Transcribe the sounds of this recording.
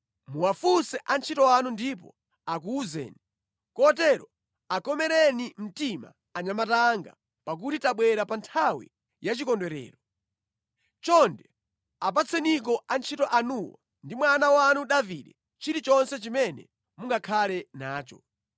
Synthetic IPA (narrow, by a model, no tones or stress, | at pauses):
muwafusɛʔant͡ʃʰitɔanundip̬ɔ̰ | ak̬uːzɛ̰ːni | kɔtɛɾɔ | akɔmɛɾɛnim̩tima̰ | aɲamataŋɡa̰ | pak̬utitaɓwɛɾapantʰawḭ | jat͡ʃikɔndwɛɾɛ̰ːɾɔ | t͡ʃɔndɛ | ap̬at͡sʰɛnik̬ɔant͡ʃʰitɔʔanuwa̰ | ndimwanawanuɗaviɗɛ | t͡ʃiɾit͡ʃɔnsɛt͡ʃimɛnɛ̰ | muŋɡakʰalɛnaːt͡ʃɔ̰